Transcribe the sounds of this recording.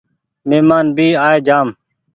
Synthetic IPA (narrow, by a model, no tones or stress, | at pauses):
meːmaːnbiːaːeːd͡ʒaːm